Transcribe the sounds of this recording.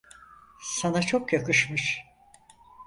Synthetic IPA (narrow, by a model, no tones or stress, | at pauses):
sanat͡ʃʰo̞kjakɯʃmɯʃ